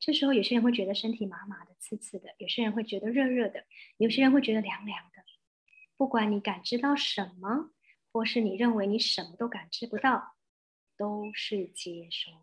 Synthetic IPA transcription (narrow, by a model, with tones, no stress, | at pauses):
ʈ͡ʂɤ˥˩ʂɻ̩˧˥xo˥ʊjo˨˩ʊɕjɛ˥ɻə˧˥nxwɪt͡ɕɥd̪ə˧ʂə˥nt̪ʰi˨˩ma˧˥ma˧˥d̪ə˧t͡sʰɹ̩˥˧t͡sʰɹ̩˥˩d̪ə˩jo˨˩ʊɕjɛ˥ɻə˧˥nxwe˥˩ɪt͡ɕɥɛ˧˥d̪ə˧ɻɤ˥˧ɻɤ˥˩d̪ə˩jo˨˩ɕjɛ˥ɻə˧˥nxwe˥˩ɪɥɛ˧˥d̪ə˧ljɑ˧˥ŋljɑ˧˥ŋd̪ə˧ | pu˥˩kwa˧˩nni˧˥ka˨˩nʈ͡ʂɻ̩˥t̪ɑ˥˩ʊʂə˧˥nmə˧ | xwɔ˥˩ʂɻ̩˥˩ni˨˩ɻə˥˩nwe˧˥ɪni˧˥ʂə˧˥nmə˧t̪o˥ʊka˨˩nʈ͡ʂɻ̩˥pu˧˥t̪ɑ˥˩ʊ | t̪o˥ʊʂɻ̩˥˩t͡ɕjɛ˥ʂo˥˩ʊ˩